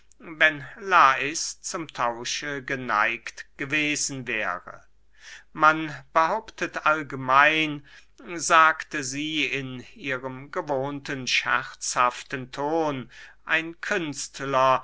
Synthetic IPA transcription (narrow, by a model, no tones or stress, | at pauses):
vɛnlaːɪst͡sʊmtʰaʊʃəɡəna̰ɪktɡ̥əveːzn̩vɛːʁə̰ | manb̥əhaʊptʰətʔalɡəmaɪn | zaːktəziːɪniːʁəmɡəvoːntənʃɛ̰ʁt͡shaftəntʰoːnʔaɪnkʰʏnstlɐ